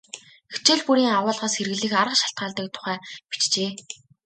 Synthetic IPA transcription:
xet͡ɕĕːɮpuɾiːŋawʊːɮʁaːsxeɾɘɣɘ̆ɮiːxaɾə̆qʃḁɬt̪̚ɢaːɮt̪ə̆k̚t̪ʰʊ̥χæːpi̥t͡ɕt͡ɕeː

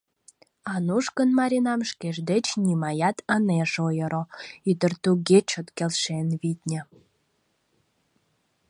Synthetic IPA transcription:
ɑnuʃkənmɑɾʲinɑmʃkeʒd̪et͡ɕnʲimɑjɑt̪ʰəneʒojəɾoyt̪ərt̪uɡet͡ɕot̪kelʃenβit̪ʲnʲə̆

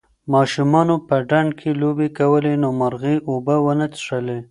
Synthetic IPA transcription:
mɑʃumɑnopəɖaɳɖkʰelobekawəlenomaɾɣiʔobəwənət͡sʂəle

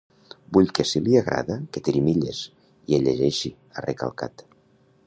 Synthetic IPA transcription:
buʎkesiliaɣɾʔa̰ðaket̪eɾimiʎes | ieʎeʒeʃi | areka̰lˠka̰t̪

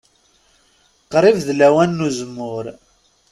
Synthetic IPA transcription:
qɾˤivðlæwænːuzəmːʊɾ

